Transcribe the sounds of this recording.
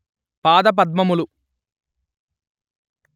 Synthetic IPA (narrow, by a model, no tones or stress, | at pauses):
paːd̪ɐp̬ɐd̪̚mɐmulu